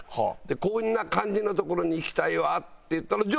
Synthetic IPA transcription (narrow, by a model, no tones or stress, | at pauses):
hd̪̥e̞ko̞ːinːakãɲ̟d͡ʑinot̪o̞ko̞ɾo̞ɲ̟iːkʲi̥t̪aiβatt̪ːejɯ̟t̪ːaɾad͡ʑ